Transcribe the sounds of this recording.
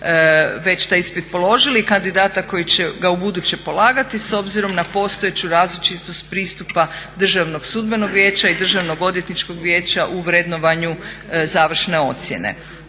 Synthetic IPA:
ʋe̞t͡ʃt̪ajispit̪po̞lˠo̞ʒilikand̪id̪aːt̪ako̞jit͡ɕeɡaubud̪ut͡ɕepo̞lˠaːɡat̪iso̞bziɾo̞mnapo̞ːst̪o̞et͡ɕuɾaːzlit͡ʃit̪o̞st̪pɾiːst̪upad̪r̩ʒaʋno̞ɡsud̪be̞no̞ɡʋje̞ːt͡ɕaid̪r̩ʒaʋno̞ɡo̞d̪jet̪nit͡ʃko̞ɡʋjeːt͡ɕaʔuʋɾed̪no̞ʋaɲuzaːʋr̩ʃne̞o̞̰t̪sjḛnḛ

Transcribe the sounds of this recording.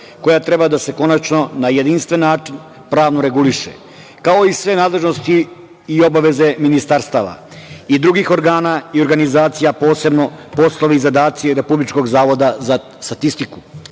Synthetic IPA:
ko̞jat̪ɾe̞bad̪ase̞ko̞nat͡ʃno̞naje̞d̪inst̪ʋe̞nːaːt͡ʃin | pɾaːʋnoɾe̞ɡuliʃḛ | kao̞isʋe̞naːd̪lˠe̞ʒno̞st̪iː | o̞baʋe̞ze̞minist̪aɾst̪aːʋa̰ | id̪ɾuɡixo̞ɾɡaːnaio̞ɾɡanizaːt̪sijapo̞ːse̞bno̞po̞slˠo̞ʋiizad̪aːt̪sieɾe̞publit͡ʃko̞ɡzaːʋo̞d̪aza | st̪at̪ist̪iku̥

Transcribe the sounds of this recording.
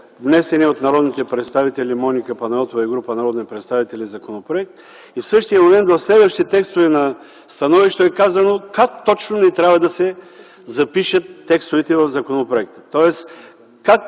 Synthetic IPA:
vnɛsɛniot̪nɐɾɔd̪nit̪ɛpɾɛt̪st̪avit̪ɛlimɔnikəpɐnɛɔt̪ovɐiɡɾupənɐɾɔd̪nipɾɛt̪st̪avit̪ɛlʲizɐkonopɾoɛk̚t̪ | ifsɤʃt̪ijəmomɛnt̪vɐfslɛd̪vəʃt̪it̪ɛkst̪ovɛnɐ | st̪ɐnɔviʃt̪oɛkazɐnokak̚t̪ɔt͡ʃnonɛt̪ɾʲavɐd̪ɐsɛ | zɐpiʃət̪ːɛkst̪ovɛt̪ɛvɐvzɐkonopɾoɛk̚t̪ə̥t̪ɔɛs | kak

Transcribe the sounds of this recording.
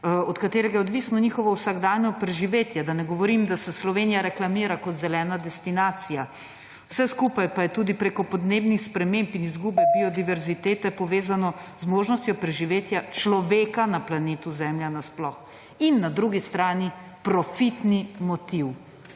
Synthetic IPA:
ɔt̪kat̪eːɾɛɡajɛod̪ʋiːsnɔniːxɔʋɔwsaɡd̪aːnjɔpɾɛʒiʋeːt̪jɛd̪anɛɡɔʋɔɾimd̪asɛslɔʋeːnijaɾɛklamiːɾakɔt̪zɛlɛːnad̪ɛst̪inaːt̪sija | wsɛskupajpajɛt̪uːd̪ipɾeːkɔpɔd̪neːbnixspɾɛmẽmpinizɡuːbɛpiɔd̪iʋɛɾzit̪eːt̪ɛpɔʋeːzanɔzmoːʒnɔst̪ʲjɔpɾɛʒiʋeːt̪jat͡ʃlɔʋeːkanaplaneːt̪uzɛːmljanasplɔx | inːad̪ɾuɡist̪ɾaːni | pɾɔfit̪nimɔt̪iw

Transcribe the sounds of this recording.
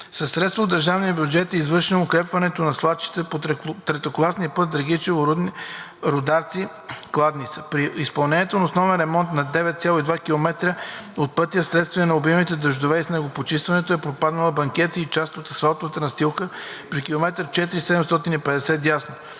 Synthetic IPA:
sɐsːɾɛt̪st̪vɐod̪ːəɾʒavniəbjud͡ʒɛt̪ɛizvɤɾʃinʊkɾɛpvɐnɛt̪onɐslˠat͡ʃi̥t̪ɛpot̪ɾɛt̪oklˠasniəpɤt̪̚d̪ɾɐɡ̟it͡ʃɛvoɾ | ɾod̪aɾt̪si | klˠad̪nit̪sə̥pɾiispɐlˠnɛnʲiɛt̪onɐosnɔvɛnɾɛmɔnt̪nɐd̪ɛvɛt̪t̪sʲjalˠoid̪vakilˠomɛt̪ɾəot̪̚pɤt̪ijəfsɾɛt̪st̪viənɐʊbimit̪ɛd̪əʒd̪ovɛisnɛɡopot͡ʃist̪vɐnɛt̪oɛpɾopad̪nəlˠɐbɐŋkɛt̪iit͡ʃast̪ot̪ɐsvalˠt̪ovət̪ənɐst̪ilˠkəpɾikilˠomɛt̪ɾət͡ʃɛt̪iɾisɛd̪ɛmst̪ɔt̪inipɛd̪ɛsɛt̪jasno

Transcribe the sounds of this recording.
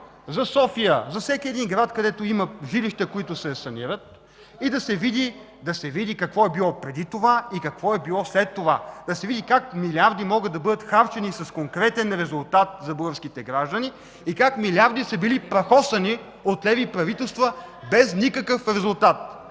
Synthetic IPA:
zɐsɔfijəzɐfsɛkʲiɛd̪inɡɾat̪kɐd̪ɛt̪oimɐʒiliʃt̪əkoit̪ʊsɛsɐniɾət̪̚ | id̪ɐsɛvid̪i | d̪ɐsɛvid̪ikɐkvɔɛbilˠɔpɾɛd̪it̪ovaikɐkvɔɛbilˠɔslɛt̪ːovad̪̥ɐsɛvid̪ikakmilʲiaɾd̪imɔɡəd̪ɐbɤd̪ət̪xaɾt͡ʃɛnisɐskoŋkɾɛt̪ɛnɾɛzʊlˠt̪at̪̚zɐbəɡəfskit̪ɛɡɾaʒd̪əni | ikakmilʲaɾd̪isɐbilipɾɐxɔst̪ɐni | ot̪lɛvipɾɐvit̪ɛlˠst̪vəbɛznikəkəfɾɛzʊlˠt̪at̪̚

